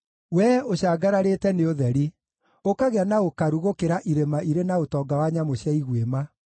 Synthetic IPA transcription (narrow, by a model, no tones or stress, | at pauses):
wɛoɕaːɡaɾaɾetɛneoðɛɾi | okaɣeanaokaɾuɣokeɾaʔiɾemaʔiɾenaotɔːɡawaɲamoɕjaiɣwema